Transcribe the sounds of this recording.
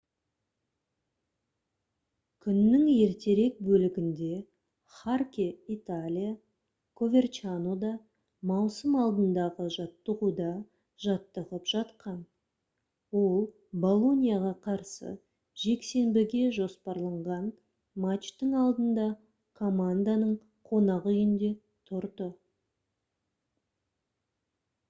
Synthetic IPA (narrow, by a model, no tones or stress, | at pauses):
kʲʰʏnːɪŋje̞ɾt̪e̞ɾe̞k̚bɵlɪɡʲɪnd̪e̞ | χarkʲeit̪alʲija | kʰo̞vʲe̞rt͡ʃanod̪ɑ | mɑwsəmɑlˠd̪ənd̪ɑʁəʒɑt̪ːəʁud̪ɑ | ʒ̥ɑt̪ːəʁəpʒ̥ɑt̪qɑn | wo̞lˠ | bo̞lˠo̞nʲijaʁɑqʰɑɾsə̰ | ʒ̥e̞kse̞mbɪɡʲe̞ʒo̞spɑɾlˠɑɴʁɑn | mat͡ʃt̪əŋɑlˠd̪ənd̪ɑ | kʰo̞mand̪anəɴ | qʰo̞nɑʁjɪnd̪e̞ | t̪ʰʊɾd̪ə